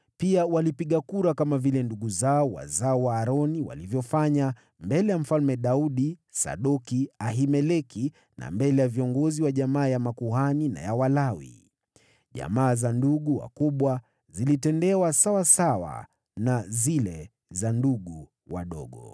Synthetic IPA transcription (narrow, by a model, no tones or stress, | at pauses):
piawalipiɠakuɾakamavilɛnduɠuzaɔwa̰zaɔwaːɾɔniwa̰livjɔfaɲa | mbɛlɛjam̩falmɛɗauɗisa̰ɗɔkiaɦimɛlɛki | na̰mbɛlɛjaviɔŋɡɔziwaʄamaːjamakuɦanina̰jawalawḭ | ʄa̰maːzanduɠuwa̰kuɓwa | zilitɛndɛwasawasawa̰ | nazilɛ | zanduɠu | wa̰ɗɔ̰ɠɔ̰